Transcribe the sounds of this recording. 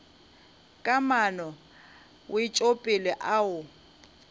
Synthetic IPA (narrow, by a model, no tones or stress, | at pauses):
kʼamanɔ | wɪt͡ʃʼopʼɪlɛʔaʊ